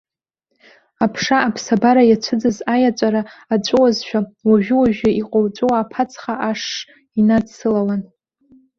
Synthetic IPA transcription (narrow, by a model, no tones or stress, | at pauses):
apʰʂaːpʰsabaɾajat͡ʃʷʰɨd͡zɨzajat͡ʃʷʼaɾaːt͡ʃʷʼʊwazʃᶣawaʒᶣʏwaʒᶣaiqʼowt͡ʃʷʼowaːpʰat͡sʰχaʔaʂː | inadsɨlawan